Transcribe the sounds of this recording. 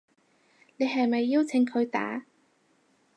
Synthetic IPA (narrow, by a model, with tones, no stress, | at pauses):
ne˨˧jɦɐ˨jmɐ˨jːi˥wt͡sʰɪ˨˧˥ŋkʰɵ˨˧ɥt̪a̰ː˨˥